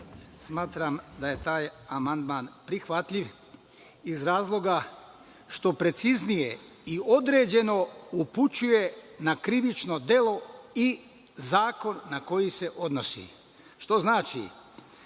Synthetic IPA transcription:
smaːt̪ɾamd̪aje̞t̪aːjamand̪maːnpɾixʋat̪ʎiʋ | izɾaːzlˠo̞ɡa | ʃt̪o̞pɾe̞t̪siznije̞ | io̞d̪ɾe̞ːd͡ʑe̞no̞uput͡ɕuje̞nakɾiʋit͡ʃno̞d̪e̞lo̞i | zaːko̞nːako̞jise̞ʔo̞d̪no̞sḭ | ʃt̪o̞znaːt͡ʃḭ

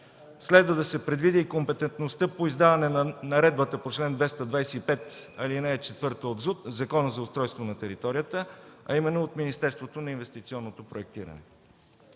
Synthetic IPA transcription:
slɛd̪vəd̪ɐsɛpɾɛd̪vid̪iːkompɛt̪ɛnt̪nost̪əpoizd̪avɐnɛnɐɾɛd̪̚bət̪əpot͡ʃlɛnd̪vɛst̪əd̪vajsɛipɛt̪ɐlinɛt͡ʃɛt̪vɤɾt̪əod̪zut̪zɐkɔnəzɐʊst̪ɾɔjst̪vonɐt̪ɛɾit̪ɔɾijət̪əɐ̰imɛnːoot̪minist̪ɛɾst̪vot̪onɐinvɛst̪it̪siɔnːot̪opɾoɛk̚t̪iɾə̰nɛ̰

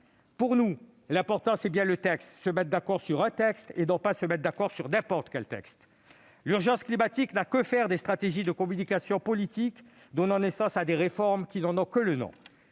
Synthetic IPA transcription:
puʁnu | lɛ̃pɔʁt̪ɑ̃sɛbjɛ̃lət̪ɛkst̪səmɛt̪̚d̪akɔʁsyʁɛ̃t̪ɛkst̪ḛnɔ̃pasəmɛt̪̚d̪akɔʁsyʁnɛ̃pɔʁt̪ə̥kʲɛlt̪ɛ̰kst̪ | lyʁʒɑ̃sklimat̪iknakəfɛʁd̪est̪χat̪eʒid̪əkɔmynikasjɔ̃pɔlit̪ik | d̪ɔnɑ̃nesɑ̃sad̪eʁefɔʁmkʲinɑ̃nɔ̃kələnɔ̰̃

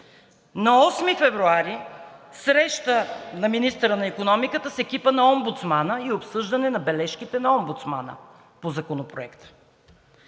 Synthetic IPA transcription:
nɐɔsmifɛvɾuaɾisɾɛʃt̪ənɐminist̪əɾənɐikonɔmikət̪əsɛkʲipənɐɔmbut̪smanəiopsɤʒd̪ɐnɛnɐbɛlɛʃkit̪ɛnɐɔmbut̪sma̰nə̰ | pozɐkonopɾoɛkt̪ə̥

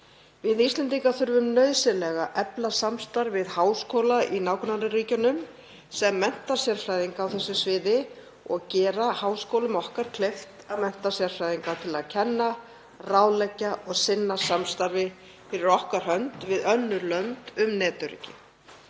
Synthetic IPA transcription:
vɪðist̪lɛnt̪̬iŋkaθʏɾvʏmnœɥsɪlɛɣaʔɛplasamst̪aɾvɪðhaːwskoːwlaʔinaːwkʰnanɾɪriːcʏnʏm | sɛmːɛn̥t̪asjɛɾ̥fɾaːjðiŋkaːwθɛsːʏsvɪːðɪ | ɔɣcɛːɾahaːwskowlʏmɔhkaɾ̥kʰleft̪aðmɛn̥t̪asjɛɾ̥fɾajðiŋkat̪ʰɪlaðcʰɛnːa | raːwlɛcːaʔɔɣsɪnːasamst̪aɾvɪ | fɪɾɪɾɔhkaɾ̥hœnt̪vɪðœnːʏlœmt̪ʏmnɛːt̪ʏɾrḭːcɪ

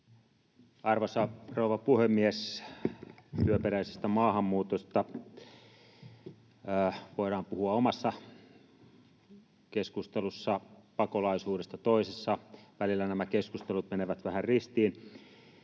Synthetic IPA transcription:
ɑrʋosɑrouʋɑpuhemːies | t̪yøpeɾæisest̪æmɑːhɑmːuːt̪ost̪ɑ | ʋoˑiɾɑːmpuhuɑomɑsːɑ | keskust̪elusːɑpɑkolɑisuːɾest̪ɑt̪oisesːɑʋælilːænæmækeskust̪elut̪̚meneʋæt̪ʋæhærrist̪iːn

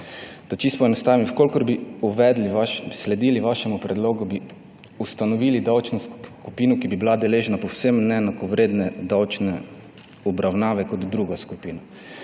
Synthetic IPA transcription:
d̪̥at͡ʃist̪pɔɛnɔst̪aːʋimfkoːlkɔɾbiuʋɛd̪liʋaʃslɛd̪iːliʋaʃɛmupɾɛd̪loːɡubi | ust̪anɔʋiːlid̪awt͡ʃnuskupiːnukibibilad̪ɛleːʒnapɔwsemnɛnakɔʋɾeːd̪nɛd̪awt͡ʃnɛ | ɔbɾawnaːʋɛkɔd̪d̪ɾuɡaskupiːna

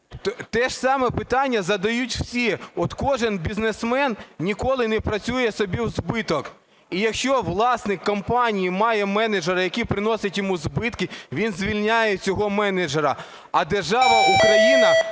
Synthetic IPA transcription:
t̪ɛʃsɑmɛpɪt̪ɑnʲːɐzɐd̪ɐjutʲw̥sʲiɔt̪kɔʒɪnbʲiznesmɛnnʲikɔlˠɪnɛpɾɐt͡sʲujɛsɔbʲiwzbɪt̪ɔk | ijɐkʃt͡ʃɔʋlˠɑsnɪkːɐmpɑnʲijimɑjɛmɛneʒeɾɐjɐkʲipɾɪnɔsʲɐtʲjɔmuzbɪt̪kɪʋʲinzʋʲilʲnʲajɛt͡sʲɔɦɔmɛneʒeɾɐ | ɐd̪erʒɑʋɐʔukɾɐjinɐ

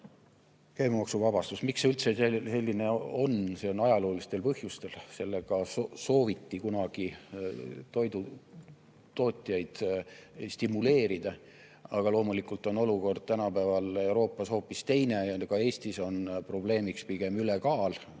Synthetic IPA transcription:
kæjmemɑksuvɑb̥ɑst̪usmiksylt̪seese̞lʲːine̞o̞nse̞o̞nɑjɑlo̞ːlist̪e̞lpɤhjust̪e̞lse̞lːeɡ̥ɑsoso̞ːvit̪ːikunɑɡ̥i | t̪o̞jd̪u | t̪o̞ːt̪ʲːˑjɑjd̪̥ | st̪imule̞ːɾid̪̥ɑ | ɑɡ̥ɑlo̞ːmulikˑult̪ːˑo̞no̞luko̞rd̪̥̚t̪ænɑpævɑle̞wɾo̞ːpːˑɑsho̞ːpːist̪e̞jne̞jɑkɑe̞ːsʲt̪iso̞npro̞ble̞ːmikspiɡ̥e̞mylekɑːl

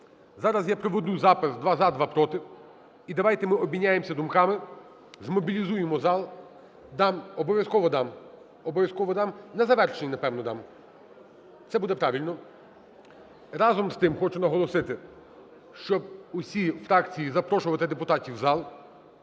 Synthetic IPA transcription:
zɑɾɐzjapɾɔʋɔd̪uzɑpɪzd̪ʋɑzɑd̪ʋɑpɾɔt̪ɪw | id̪ɐʋɑjt̪ɛmɪɔbʲinʲːajemsʲɐd̪ʊmkɑmɪ | zmɔbʲilʲizujemɔzɑlˠ | d̪ɑmɔbɔʋjɐskɔʋɔd̪ɑm | ɔbɔʋjɐskɔʋɔd̪ɑmnɛzɐʋɛrʃenʲinɐpɛwnɔd̪ɑm | t̪sɛbud̪ɛpɾɑʋʲilʲnɔ | ɾɑzɔmst̪ɪmxɔt͡ʃʊnɐɦɔlˠɔsɪt̪ɪ | ʃt͡ʃɔb̚ʊsʲifɾɑkt͡sʲijizɐpɾɔʃʊʋɐt̪ɪd̪epʊt̪ɑtʲiwzɑlˠ

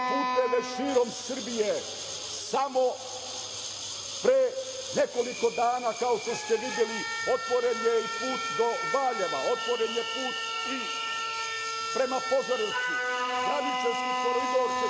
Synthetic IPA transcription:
puːt̪eʋeʃiːɾo̞msərbije | samo | pɾe | neko̞liko̞d̪aːnaːkaoʃt̪ost̪eʋid̪jeliot̪ʋoɾenjeipuːt̪d̪obaːʎeʋa̰ot̪ʋoɾenjepuːt̪ | i | pɾe̞mapozoɾit̪i | nalit͡ʃoskit̪oɾid̪oːɾske

